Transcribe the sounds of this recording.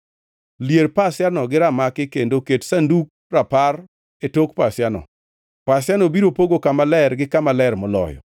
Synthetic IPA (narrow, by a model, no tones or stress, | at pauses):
ljerpasɪanɔɡɪɾamakɪkendoketsanduk̚ | rapar | etokpasjanɔ̰ | pasjanɔbiɾopoɡokamalɛrɡɪkamalɛrmɔlɔ̰jɔ̰